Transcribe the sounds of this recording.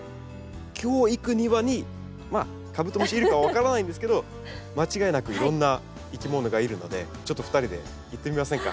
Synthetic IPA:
kʲʰo̞ːikɯ̟ɲ̟iβaɲ̟i | ma | kabɯ̟t̪ːomoɕiːɾɯ̟kaβaβ̞akaɾanaĩnd̪es̬ɨ̥ke̞d̪o̞ | mat͡ɕiɡaenakɯ̟iɾõ̞nːa | ikʲimo̞no̞ɡaiɾɯ̟no̞̰d̪e̞ | t͡ɕo̞t̪ːo̞ɸɯ̥t̪aɾʲid̪e̞̰ | it̪ːe̞mʲimasẽ̞ŋka̰

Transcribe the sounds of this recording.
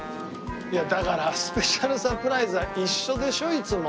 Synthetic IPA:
jad̪akaɾasɨ̥pe̞ɕaɾɯ̟sapɯ̟ɾaizɨβaʔiɕːo̞d̪e̞ɕo̞it͡sɨmo

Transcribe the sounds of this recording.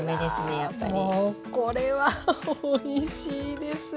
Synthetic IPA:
med̪e̞sɨne̞japːa̰mʲoikoɾe̞βaoiɕiːd̪e̞sɨ

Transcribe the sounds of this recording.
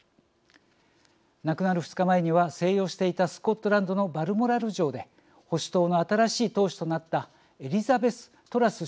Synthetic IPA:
nakɯ̟naɾɯ̟ɸɯ̟t͡sɨ̥kamaeɲ̟iβase̞ːjo̞ːɕi̥t̪e̞it̪asɨ̥ko̞t̪ːo̞ɾãnd̪o̞no̞baɾɯ̟mo̞ɾaɾɯ̟ʑo̞ːd̪e̞ | ho̞ɕi̥t̪o̞ːno̞at̪aɾaɕiːt̪o̞ːɕi̥t̪o̞nat̪ːa | e̞ɾʲizabe̞sɨ̥ | t̪o̞ɾasɨ

